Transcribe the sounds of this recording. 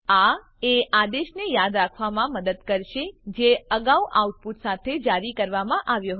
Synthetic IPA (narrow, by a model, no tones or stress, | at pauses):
a | ead̪eʃnejad̪ɾakʰʋamãməd̪əd̪kəɾʃed͡ʒeəɡauʔauʈ̚put̪sat̪ʰed͡ʒaɾikəɾʋamãʔaʋjoɦ